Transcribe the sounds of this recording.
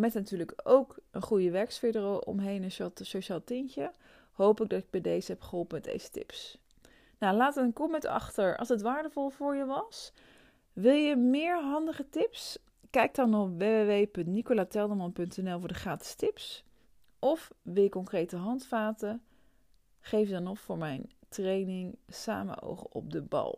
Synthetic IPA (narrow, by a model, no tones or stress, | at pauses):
mɛtnatyːɹləkowkənχujəʋɛɹksfedərowlɔ̰mɦejnənsasoʃaːlˠtɪncə | ɦowpɪɡ̚dɑtɪɡ̚bɛjdejzəɦɛpχəɦolˠpəmɛdḛjzə̥tɪ̰ps | nalaːtəənkɔmɛtɑ̰χtəɹɑ̰lˠsətʋaːɹdəvɔlˠvʊːɹjəʋɑs | ʋɪlˠjəmɪːɹɦɑndəχətɪps | kɛjk̚dɑnɔpʋeːʋeʋejpɵntnikolaːtɛlˠdəmɔnpɵntɛnɛlˠvʊːɹdəχaːtə̥stɪps | ʔɔfʋɪlˠjəkːɔŋkrejtəɦɑntfaːtə | χejfdɑnɔffʊːɹmɛjntrejnɪŋsa̰ːmə̰no̰wχə̰ʔɔ̰p̚dəbɑ̰lˠ